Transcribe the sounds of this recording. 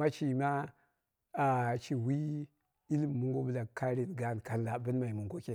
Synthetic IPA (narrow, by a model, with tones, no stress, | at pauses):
a˦t͡ʃi˨ma˦ | a˨t͡ʃi˨wi˦ | i˦li˦m˨mːu˦ŋɡo˦bə˦la˨ka˦ɾi˨tɡa˨˦˨nka˨nla˨bə˦nma˨i˨mu˨ŋɡo˦ke˨